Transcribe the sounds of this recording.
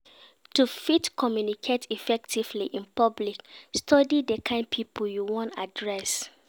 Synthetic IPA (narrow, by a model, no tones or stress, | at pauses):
tufitkʰɔmjunikʰetʰifɛk̚tʰivliʔĩnpɔblikstʰɔdidekʰãɪ̃nd̚pʰipʰoljuwɔ̃ntadɹɛs